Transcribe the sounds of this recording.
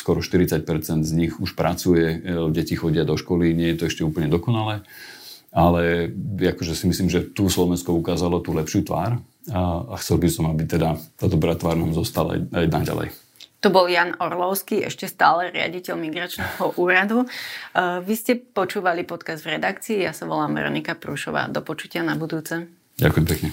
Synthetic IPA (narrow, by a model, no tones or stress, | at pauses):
skɔɾɔʃt̪iɾit͡sac̚pɛɾt͡sɛnd̪zɲixuʃpɾʔat͡sujɛɟɛcixɔɟɪad̪ɔʃkɔliɲɪɛjɛt̪ɔɛʃcɛuːpl̩ɲɛd̪ɔkɔnalɛː | alɛakɔʒɛsimisliːmʒɛt̪uslɔʋɛnskɔukaːzalɔt̪uːlɛpʃɪuːt̪ʋa̰ːɾ | axt͡sɛlbisɔmabit̪ɛd̪at̪aːd̪ɔbɾaːt̪ʋaːɾnaːmzɔst̪ala̰a̰jajnaɟa̰lɛ̰j | t̪ɔbɔljaːnɔɾlɔʊskiʔɛ̰ʃcɛst̪aːlɛɾɪa̰ɟicɛʎmiɡɾat͡ʃnɛːɦɔʔuːɾad̪u | ʋiscɛpɔt͡ʃuːʋalipɔt̪kazd̪vɾɛd̪akt͡siːjasaʋɔlaːmʋɛ̰ɾɔ̰nikapɾuːʃɔʋa̰ːd̪ɔpɔt͡ʃucɪanabud̪uːt͡sɛ | ɟa̰kujɛmpɛkɲɛ